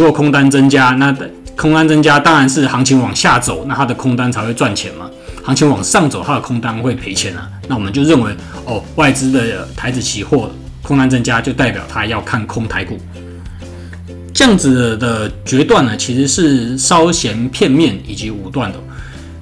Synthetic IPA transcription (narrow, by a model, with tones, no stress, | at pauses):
u˦kɔ˨˩kʰʊ˥ŋt̪a˦nt͡sə˦ŋt͡ɕja˥na˥˩kʰʊ˥ŋt̪a˥nt͡sə˦ŋt͡ɕja˥t̪ɑ˥ŋɻa˨˦nʂɻ̩˥˩xɑ˧˥ŋt͡ɕʰi˧˥ŋwɑ˨˩ŋɕja˥˩t͡so˨˩ʊna˥˩t̪ʰa˥d̪ə˨kʰʊ˥ŋt̪a˥nt͡sʰa˧ɪxwe˥˧ɪt͡swa˥˩nt͡ɕʰjɛ̰˨˧˥nmɐ̰˨ | hɑ˧˥ŋt͡ɕʰi˧˥ŋwɑ˨˩ŋʂɑ˥˨˩ŋt͡so˨˩ʊt̪ʰa˥d̪ə˨kʰʊ˥ŋt̪a˦nxwe˥˩ɪpʰe˧˥ɪt͡ɕʰjɛ˨˧˥nə̰˨na˥˩wɔ˨˩mə˨˦nt͡ɕjo˥˧ʊɻə˥˩nwe˧˥ɪ | ɔ˥˩wa˥˩ɪt͡sɹ̩˦d̪ə˨t̪ʰa˧˥ɪt͡sɹ̩˨˩t͡ɕʰi˧˥xwɔ˥˩ | kʰʊ˥ŋt̪a˥nt͡sə˦˥nt͡ɕja˦t͡ɕjo˥˧ʊt̪a˥˩ɪpjɑ̰˨˩ʊt̪ʰa˦jɑ˥˧ʊkʰa˥˩nkʰʊ˥ŋt̪ʰa˧˥ɪku˨˩ | t͡ɕjjɑ˥˩ŋd͡zɹ̩˨˩d̪ə˨t͡ɕɥɛ˧˥t̪wa˥˩nə˩t͡ɕʰi˧˥ʂɻ̩˧˥ʂɻ̩˥˩ʂɑ˦ʊɕjɛ˧˥npʰjɛ˥˧nmjɛ˥˩ni˨˩t͡ɕi˧˥u˨˩t̪wa˥˩nd̪ə˩